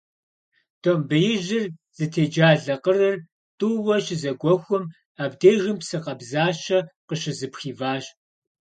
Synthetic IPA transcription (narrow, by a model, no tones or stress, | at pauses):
tʰobɨjɪʑɪrz̥ɨtʰeːd͡ʒaːɮɐqərɐr | tʼuwɐɕɪzɐɡʷɔxʷʊm | aːbdeːɣɨmpsɨqɐbzaːʃɐqəɕɪzɨpxiːvaːɕʼ